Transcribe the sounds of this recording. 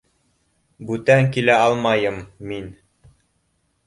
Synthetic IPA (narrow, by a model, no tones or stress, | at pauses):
bʉt̪æŋkilæɑlˠmɑjɤmːin